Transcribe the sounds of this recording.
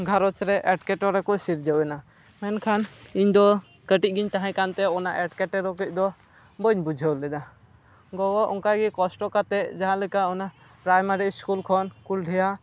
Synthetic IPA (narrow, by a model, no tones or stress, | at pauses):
ɡʱaɾɔt͡ʃɾɛʔɛʈkɛʈɔɾɛkɔʔsiɾd͡ʒəwɛna | mɛnkʰaniɲd̪ɔ | kəʈic̚ˀɡiɲt̪aɦãkant̪ɛɔnaʔɛʈkɛʈɛɾɔkic̚ˀd̪ɔ | bəɲbud͡ʒʱəwlɛd̪a | ɡɔɡɔʔɔŋkaɡikɔsʈɔkat̪ɛʔd͡ʒaɦãlɛkaɔna | pɾajmaɾiskulkʰɔnkulɖʱɛja